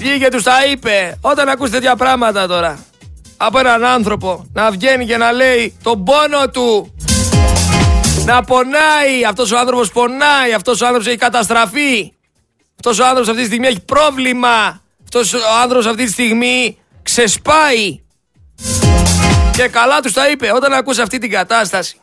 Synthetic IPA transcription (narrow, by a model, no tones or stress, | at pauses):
jiʝet̪ust̪ɐipe̞o̞t̪ɐnɐkust̪et̪eçɐpɾɐɣmɐt̪ɐt̪o̞ɾɐː | poenɐnɐnθɾo̞po̞nɐvʝe̞nice̞nɐle̞it̪o̞bo̞no̞t̪u | nɐpo̞nɐiɐft̪o̞s̬oɐnθɾo̞po̞spo̞nɐiɐft̪o̞soɐnθɾoosçikɐt̪ɐs̬t̪ɾɐfi | ɐft̪o̞s̬oɐnθoposɐft̪it̪ist̪iɣmie̞çi̥pɾo̞vlimɐ | ɐft̪o̞soɐnθɾo̞posɐft̪it̪ist̪iɣmi | kse̞spɐi | ce̞kɐlɐt̪ust̪ɐipe̞o̞t̪ɐnɐkuseɐft̪it̪iɡɐt̪ɐst̪ɐsi̥